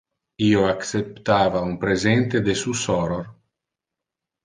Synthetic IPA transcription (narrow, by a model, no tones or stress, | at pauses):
iːoaksept̪aːvaumpɾezent̪ed̪esusɔɾoɾ